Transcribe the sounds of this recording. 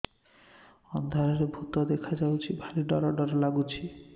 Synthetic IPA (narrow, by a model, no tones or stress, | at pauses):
ɔnd̪ʱaɾaɾebʱut̪od̪ekʰad͡ʑawt͡ɕʰibʱaliɖɔɾaɖɔɾalaɡut͡ɕʰi